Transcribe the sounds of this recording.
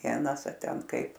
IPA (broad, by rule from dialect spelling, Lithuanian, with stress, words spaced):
ˈʋʲiɛnɐs ɐ ˈtʲɛn ˈkɐɪp